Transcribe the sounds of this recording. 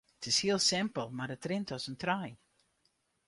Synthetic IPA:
ətɪshiəlˠsɪmpəlˠmarətrɪntɔsəntraj

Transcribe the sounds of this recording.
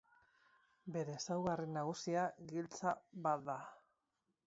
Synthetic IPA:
be̞ɾe̞ːsawɣarinaɣ̞usiaɣilt͡saβat̪d̪a

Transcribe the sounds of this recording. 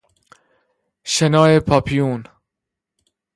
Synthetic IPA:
ʃenɒːepʰɒːpʰijuːn

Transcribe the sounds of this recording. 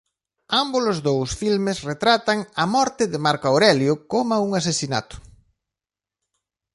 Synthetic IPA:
ambʊlʊzðowsfilmɪsret̪ɾat̪ɐŋɐmɔɾt̪ɪðɪmaɾkaoɾɛljʊkomauŋasesina̰t̪ʊ̥

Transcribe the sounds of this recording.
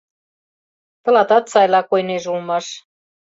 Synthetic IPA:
t̪ɤ̆lɑt̪ɑt̪sɑjlɑkojneʒulmɑʃ

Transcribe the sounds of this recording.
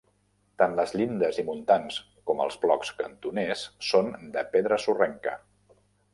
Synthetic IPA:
t̪anləzʎind̪əzimunt̪ans | kɔmə̰lˠzblɔ̰kskənt̪unesːond̪əpeðɾəsurɛŋkə̰

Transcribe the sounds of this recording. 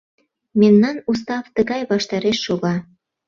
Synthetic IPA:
memnɑnust̪ɑft̪əɣɑjβɑʃt̪ɑɾeʃːoɣɑ

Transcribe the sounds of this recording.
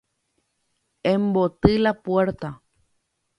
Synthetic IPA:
ẽmbot̪ɨlapweɾt̪a

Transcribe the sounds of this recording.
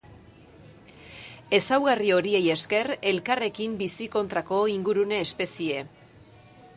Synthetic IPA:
e̞sawɣario̞ɾieje̞ske̞re̞lkare̞kimbisiko̞nt̪ɾako̞iŋɡuɾune̞ːspe̞sie̞

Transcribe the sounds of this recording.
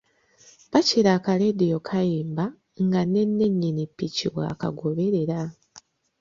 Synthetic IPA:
paciɾaːkale̞dijo̞kʰajiːmba | ŋɡanːe̞nːeɲːinipːiciwa̰ːka̰ɡoβe̞ɾe̞ɾa

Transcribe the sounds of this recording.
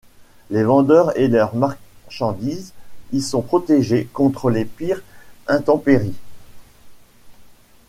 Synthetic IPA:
levɑ̃d̪œʁelœʁmaʁʃɑ̃d̪izilsɔ̃pχɔt̪eʒekɔ̃t̪χəlepiʁɛ̃t̪ɑ̃peʁi

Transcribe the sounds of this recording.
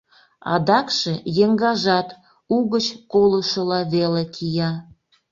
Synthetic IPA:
ɑ̰d̪ɑkʃejeŋɡɑʒɑt̪ | uɣət͡ɕkoləʃəlɑβelekʰijɑ

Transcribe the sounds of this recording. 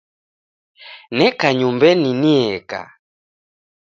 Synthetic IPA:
nɛkaɲumbɛniniɛka̰

